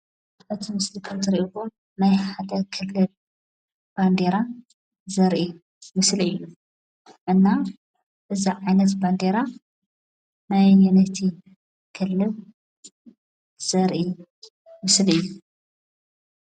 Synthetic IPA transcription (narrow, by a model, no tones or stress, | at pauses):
ʔɨt̪ʰimɨslikʰɐmt̪ɨɾiʔuko | najħad̪ɐkʰɨlːɨl | b̥and̪eɾa | zɐɾʔi | mɨsliɨjːu | ʔɨnːa | ʔɨziʕajnɐt̪band̪eɾa | najnɐt̪ʰi | kʰɨlːɨl | z̥ɐɾʔi | mɨslɨjːu